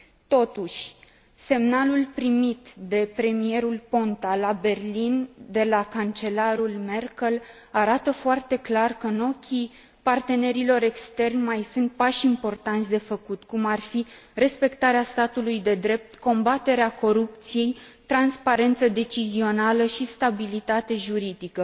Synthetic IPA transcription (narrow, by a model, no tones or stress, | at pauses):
t̪o̞t̪uʃʲ | se̞mnalulpɾimit̪d̪e̞pɾe̞mije̞ɾulpo̞nt̪alabe̞rlind̪e̞lakant͡ʃe̞laɾulme̞rkəl | aɾat̪əfoart̪e̞klarkəno̞kʲʰi | part̪e̞ne̞ɾilo̞ɾe̞kst̪e̞rnʲmajsunt̪̚paʃimpo̞rt̪ant̪sʲd̪e̞fəkut̪kumarfire̞spe̞kt̪aɾeast̪at̪ulujd̪e̞d̪ɾe̞p̚t̪ko̞mbat̪e̞ɾeako̞ɾup̚t̪sije̞j | t̪ɾanspaɾe̞nt̪səd̪e̞t͡ʃizio̞naləʃist̪abilit̪at̪e̞ʒuɾid̪ikə